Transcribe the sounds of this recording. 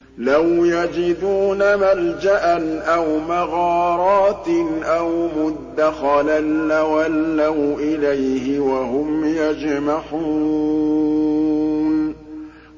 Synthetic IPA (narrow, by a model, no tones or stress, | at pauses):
lawjad͡ʒɪd̪uːnamald͡ʒaʔanʔawmaɣɑːɾˤɑːt̪ʔawmʊd̪ːaxɑlanːawalːawʔɪlajhɪwaɦʊmjad͡ʒmaħu | n